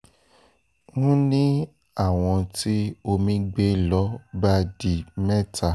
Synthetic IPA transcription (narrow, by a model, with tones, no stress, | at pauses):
nũ˦nĩ˦ | a˦˨w̃ɔ̃˧ti˦o˧mĩ˦ɡ͡be˦lɔ˦ba˦di˧mɛ̃˦tʰa˧˨